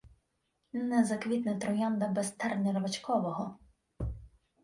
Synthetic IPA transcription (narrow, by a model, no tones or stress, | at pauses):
nɛzɐkʋʲit̪nɐt̪ɾɔjand̪ɐbɛst̪ɛrnʲɐɾɐʋɐt͡ʃkɔʋɔɦɔ